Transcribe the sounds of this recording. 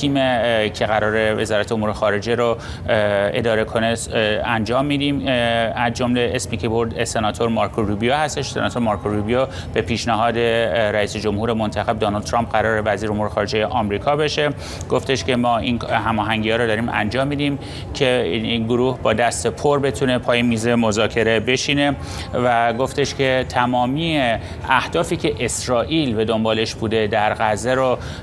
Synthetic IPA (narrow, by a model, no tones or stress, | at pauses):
t̪ʰiːmecʰe̞ɣæɾɒːɾe̞ve̞zɒːɾæt̪eomuːɾe̞xɒːɾe̞d͡ʒe̞ɾo | e̞̰d̪ɒːɾe̞kʰo̞neænd͡ʒɒːmːiːd̪iːmæzd͡ʒomleʔesmiːkʰeboɾd̪esenɒːt̪ʰoɾmɒɾkʰoɾubijohæst̪e̞ʃsenɒːt̪ʰoɾmɑːɾkʰoɾubijo | b̥e̞pʰiːʃnæɦɒːd̪e̞ɾæiːsed͡ʒo̞mhuːɾe̞mont̪ʰæxeb̚d̪ɒːnɒlt̪ʰɾɑːmp̚ɢæɾɒːɾe̞væziːɾeomuːɾexɒːɾe̞d͡ʒejeʔɒːmɾiːkʰɒːbe̞ʃe̞ | ɡ̥oft̪e̞ʃcʰe̞mɒːʔinhæmɒːɦæŋɟiːhɒːɾɔːd̪ɒːɾiːmæ̰nd͡ʒɒːmːiːd̪im | cʰe̞inɡoɾuːhbɒːd̪æst̪epʰoɾbe̞t̪ʰune̞pʰɒːjemiːze̞mo̞zɒːcʰe̞ɾe̞be̞ʃine̞ | væɡo̞ft̪eʃcʰe̞t̪ʰæmɒːmiːe | æhd̪̥ɒːfiːcʰe̞ʔesɾɒːʔiːlbe̞d̪o̞mbɒːle̞ʃbuːd̪e̞d̪æɾɣæzːeɾo